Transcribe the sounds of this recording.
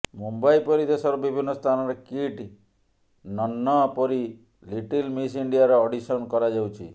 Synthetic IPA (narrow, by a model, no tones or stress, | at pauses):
mumbaipɔɾid̪esɔɾɔbibʱinːɔst̪ʰanɔɾekiʈ | nɔnːɔpɔɾi | liʈilmis̬iɳɖijaɾɔːɖisɔnkɔɾad͡ʒawt͡ʃʰḭ